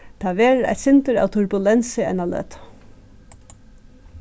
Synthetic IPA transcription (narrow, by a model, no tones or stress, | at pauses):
t̪ʰaːʋeːɾa̰jt̪sɪnt̪əɾa̰wt̪ʰʊɹbʊlɛnsɪɛ̰nalø̰ːt̪